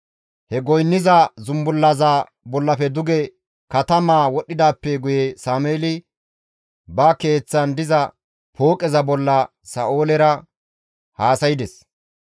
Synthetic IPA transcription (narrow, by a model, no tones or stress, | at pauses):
hɛɡɔjnːɪzɐzʊmbʊlːɐzɐ | bɔlːɐfɛd̪ʊɡɛ | kɐt̪ɐmaːwɔɗːɪd̪aːpːɛɡʊjesaːmeːlɪ | bɐke̞ːt͡sːɐnd̪ɪzɐ | pʰoːkʼɛzɐbɔlːɐ | sɐ̰ʔo̞ːlɛɾɐ | haːsɐjɪd̪ɛs